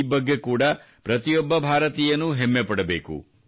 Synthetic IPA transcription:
bɐɡːe̞kuːɽɐ | pɾɐt̪ijɔbːɐbʱaːɾɐt̪iːjɐnːuɦemːɛpɐɽɐbe̞ːkṵ

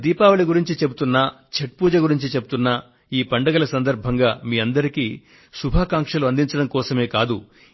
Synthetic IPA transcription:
d̪iːpaːʋɐɭiɡuɾiɲt͡ʃit͡ʃe̞but̪unːɐ | t͡ʃeʈ̚puːd͡ʒɐɡuɾiɲt͡ʃit͡ʃe̞but̪unːɐ | iːpɐɳɖɐɡɐlɐsɐnd̪ɐɾbʱɐŋɡaːmiːɐnd̪ɐɾikiː | subʱaːkaːŋkʂɐluɐnd̪iɲt͡ʃɐɽɐmkɔːsɐme̞ːkaːd̪u

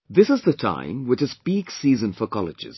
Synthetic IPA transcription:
ðɪsɨzðətʰã̰ɪ̃mwɪt͡ʃɨzb̥iɡsiːzə̃nfəkʰɔlɪd͡ʒɪ̰z̥

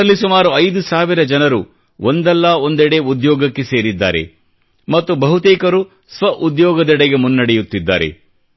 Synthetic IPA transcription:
ɐlːisumaːɾuɐjd̪usaːʋiɾɐd͡ʒɐnɐɾu | ʔond̪ɛlːɐo̞nd̪ɛɽe̞ud̪jɔːɡɐkːe̞se̞ːɾid̪ːa̰ːɾe̞̰ | mɐt̪ːubɐɦut̪eːkɐɾu | sʋɐʔud̪jɔːɡɐd̪ɛɽɐɡe̞munːɐɽejut̪ːid̪ːa̰ːɾḛ

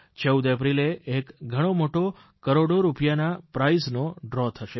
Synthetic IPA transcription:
t͡ʃəwd̪epɾileekɡʱəɽ̃omoʈo | kəɾoɽoɾupjanapɾaisnoɖɾɔt̪ʰəʃe

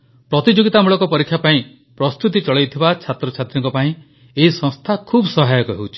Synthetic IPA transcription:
pɾɔt̪id͡ʒoɡit̪amuɭɔkɔpɔɾikʰjapaĩ | pɾɔst̪ut̪̬it͡ʃɔɭejt̪ʰibat͡ʃʰat̪ɾɔt͡ʃʰat̪ɾɔŋkɔpaĩ | eɦisɔ̃ŋst̪ʰakʰuːbsɔɦajɔkɔɦewt͡ʃʰi̥

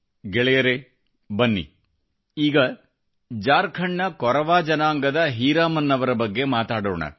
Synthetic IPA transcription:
ɡɛɭɛjɐɾe | bɐnːḭ | iːɡɐ | d͡ʒaːɾkʰɐɳːɐkɔɾɐʋaːd͡ʒɐnaːŋɡɐd̪ɐɦiːɾaːmɐnːɐʋɐɾɐbɐɡːe̞maːt̪aːɽoːɳɐ̰

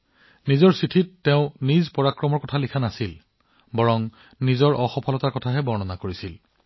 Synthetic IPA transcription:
nizɔɹsitʰitːeʊ̃nizpɔɹakɹɔmɔɹkɔtʰalikʰanasil | bɔɹɔŋ | nizɔɹʔɔxɔpʰɔlɔtaɹkɔtʰaɦɛbɔɹnɔnakoɹisil

